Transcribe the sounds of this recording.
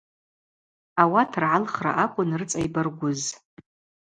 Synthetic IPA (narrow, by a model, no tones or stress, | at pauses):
awatʰrʕalχra̰ʔakʷʼʊnrɨt͡sʼajbɨrɡʷʊz